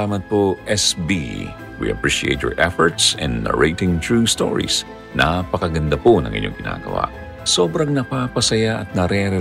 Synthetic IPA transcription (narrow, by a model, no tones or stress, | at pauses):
amɐt̪̚poʔɛsbḭ | wḭʔɐpɹiʃiḛjt̪̚jɔ̰ɹʔɛfɔɹt̪sɛ̰̃nd̪ɐɹejt̪ɪŋt̪ɹust̪o̰ɹḭs | nʔapɐkɐɡɐnd̪ɐponɐ̰ŋʔɪ̰ɲo̰ŋɡɪna̰ːɡɐ̰wa̰ | so̞ːbɾɐŋnɐpapɐsɐjaʔɐt̪̚nɐɾɛɾɛ